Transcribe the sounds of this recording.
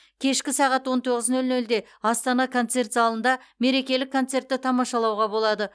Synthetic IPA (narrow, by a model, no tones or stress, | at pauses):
kʲʰe̞ʃkʲɪsɑʁɑt̪wo̞nt̪ʰo̞ʁəznɵlnɵld̪e̞ | ɑst̪ɑnɑkʰo̞nt̪se̞rt̪zɑlˠənd̪ɑme̞ɾe̞kʲe̞lɪkʰːo̞nt̪se̞rt̪ːɪt̪ʰɑmɑʃɑlˠɑwʁɑbo̞lˠɑd̪ə